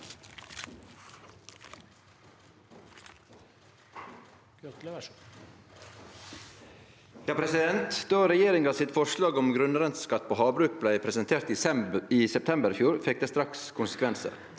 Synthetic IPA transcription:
œt̪l | jɑːpʰɾɛsɪd̪ɛnt̪d̪̥oːɾɛjeːɾɪŋɑsɪt̪fɔʃlɑːɡɔmɡɾʉnɾɛnt̪skɑt̪̚ːpʰoːhɑːbɾʉːk̚blæɪpʰɾɛsənt̪ʰeːɾt̪iːiːsɛp̚t̪ʰɛmbəɾfjuːɾfɛk̚d̪eːst̪ɾɑkskʰʊnsə̥kʰʋɛnsə̰ɾ

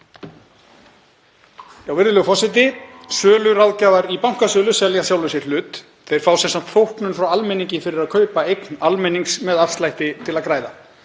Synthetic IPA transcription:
awvɪɾðɪlʏɣfɔsɪt̪̬ɪsœːlʏɾawðcaːjvaɾipawŋ̥kasœːlʏsɛljasjawlvɪsɪɾ̥lʏːt̪ | θejɾ̥faːwsɛnsan̥t̪fowhknʏnfɾawalmɛnĩɲcɪfɪɾɪɾaðkʰœːɥpaejknalmɛniŋksmɛðafst̪lajht̪ɪt̪ʰɪlaðkɾaːjða

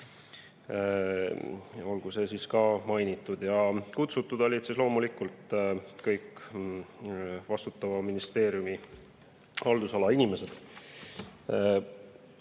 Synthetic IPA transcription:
o̞lɡ̥use̞siskɑːmɑjnit̪ːˑud̪̥jɑkut̪sut̪ːˑud̪̥o̞lʲid̪̥sislo̞ːmulikult̪kɤjkː | vɑst̪ut̪ːˑɑvɑminist̪e̞ːɾjumi | hɑld̪̥usɑlɑinime̞se̞d̪̥

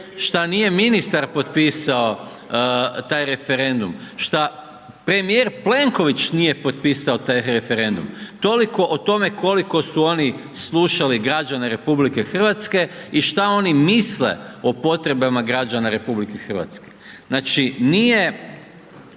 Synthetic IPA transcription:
ʃt̪anije̞minist̪aɾpo̞t̪piːsao̞ | t̪aːjɾe̞fe̞ɾe̞nd̪umʃt̪a | pɾe̞mijeɾple̞ŋko̞ʋit͡ʃnije̞po̞t̪̚piːsaot̪ajɾe̞fe̞ɾe̞nd̪ṵmt̪o̞liko̞ʔot̪o̞me̞ko̞liko̞suo̞ni | slˠuːʃaliɡɾad͡ʒanaɾe̞publike̞xr̩ʋat̪ske̞iʃt̪ao̞nimisle̞̰o̞po̞t̪ɾe̞bamaɡɾad͡ʒanaɾe̞publikexr̩ʋa̰t̪ske̞̥ | znaːt͡ʃinije̞

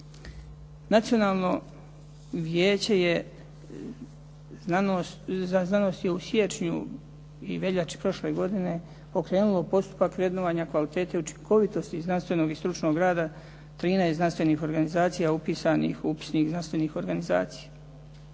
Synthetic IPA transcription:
nat̪sio̞naːlˠno̞ | ʋjeːt͡ɕe̞je | znano̞st̪jeusje̞t͡ʃɲṵ | ḭʋe̞ʎat͡ʃi̥pɾo̞ʃle̞ɡo̞d̪ine̞ | po̞kɾe̞ːnulo̞po̞st̪u̥pakʋɾe̞d̪noʋaːɲakʋalit̪e̞ːt̪eut͡ʃi̥ŋkʰo̞ʋit̪o̞st̪iznanst̪ʋe̞no̞ɡist̪ɾut͡ʃno̞ɡɾaːd̪a | t̪ɾiːnajsnanst̪ʋe̞niːxo̞ɾɡanizaːt̪sijaupiːsanḭxupi̥snixznanst̪ʋeniːxo̞ɾɡaniza̰ːt̪sija

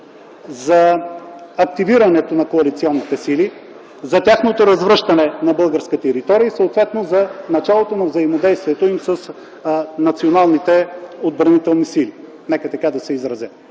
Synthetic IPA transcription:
zɐ | ɐk̚t̪iviɾɐnɛt̪onɐkoɐlit̪siɔnːit̪ɛsili | zɐt̪ʲjaxnot̪oɾɐzvɾɤʃt̪ɐnɛnɐbɤlˠɡəɾskət̪ɛɾit̪ɔɾiəisəot̪vɛt̪nozɐnɐt͡ʃalˠot̪onɐvzɐimod̪ɛjst̪viɛt̪oimsɐs | nɐt̪sionalˠnit̪ɛod̪̚bɾɐnit̪ɛlˠnisili | nɛkət̪ɐkad̪ɐsɛizɾɐzɛ

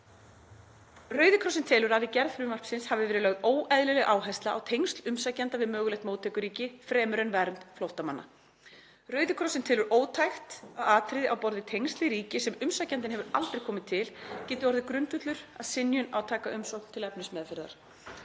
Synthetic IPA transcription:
rœɥðɪkʰɾɔsɪnt̪ʰɪlʏɾavɪcɛɾðfɾʏmar̥psɪnshavɪvɛːɾʏlœɣðoːwɛðlʏlɛɣʔaːwɦajst̪laʔa̰wt̪ʰejŋst̪lʏmsacɛnt̪avɪðmœːɣʏlɛjht̪moːwt̪ʰɛːkʏɾiːcɪfɾɛːmʏɾɛnvɛːɾʏnt̪flowht̪ama̰nːa̰ | rœɥðɪkʰɾɔsɪnt̪ʰɪːlʏɾʔoːwt̪ʰajxt̪aɣaːt̪ʰɾɪðɪʔawpɔɾðɪt̪ʰejŋst̪lɪɾiːcɪsɛmʏmsacɛnt̪ɪnɦɛvʏɾa̰lt̪ɾejkʰɔːmɪt̪ʰːɪlcɛːt̪ʏɔɾðɪkɾʏnt̪ʏt̪lʏɾ̥a̰ðsɪnjʏna̰wt̪ʰaːkaʔʏmsowkn̥t̪ʰɪlɛp̚nʏsmɛːðfɪɾða̰ɾ̥

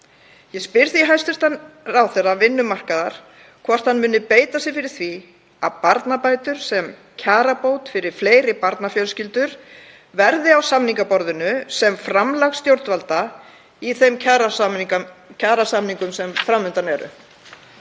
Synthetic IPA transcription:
jɛspɪɾðiɦajst̪ʏst̪anrawθɛravɪnːʏmar̥kaðaɾ̥ | kʰvɔr̥t̪hanmʏːnʏpeːjt̪asɪɾfɪɾɪɾ̥θvi | aðpaɾt̪napaːjt̪ʏɾ̥sɛm | cʰaːɾapoːwt̪fɪɾɪɾ̥fleːjɾɪpaɾt̪nafjœlscɪlt̪ʏɾ̥ | vɛɾðɪawsamniŋkapɔɾðʏnʏsɛmfɾamlaɣst̪jowɾt̪valt̪a | iθejmcʰaɾa | cʰaːɾasamniŋkʏmsɛmfɾamːʏnt̪anɛɾʏ̰

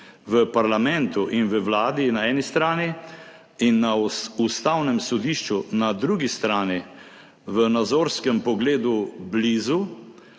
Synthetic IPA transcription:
ʋəpaɾlamɛnt̪uʔinʋəwlaːd̪inaɛːnist̪ɾaːni | inːaust̪awnɛmsɔd̪iːʃt͡ʃunad̪ɾuːɡist̪ɾaːni | ʋənad̪zoːɾskɛmpɔɡleːd̪ubliːzu

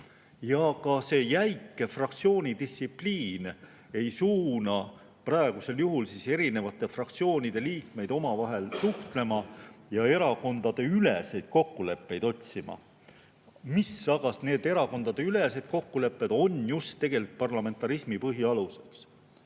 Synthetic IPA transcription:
jɑkɑse̞ːjæjkːˑe̞frɑkt̪sio̞ːnʲid̪̥ist̪sipliːn | e̞jsuːnɑ | prɑe̞ɡ̥use̞ljuɦulsiːse̞ɾine̞vɑt̪ːˑe̞frɑk̚t̪sio̞ːnʲid̪̥e̞liːkme̞jd̪̥o̞mɑvɑɦe̞lsuht̪le̞mɑjɑe̞ɾɑko̞nd̪̥ɑd̪̥e̞ylese̞jd̪̥̚ko̞kːule̞pːe̞jd̪o̞tʲsimɑ̰ | misːɑɡ̥ɑsne̞ːd̪̥e̞ɾɑko̞nd̪ɑd̪e̞yle̞se̞d̪̥̚ko̞kːule̞pːe̞d̪̥o̞njust̪ːe̞ɡ̥e̞likt̪̚pɑrlɑme̞nt̪ːˑɑɾismipɤɦiɑluse̞ks

